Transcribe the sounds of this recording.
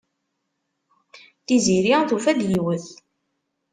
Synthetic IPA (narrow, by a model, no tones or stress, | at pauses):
θiziɾiθufæd̪jiwəθ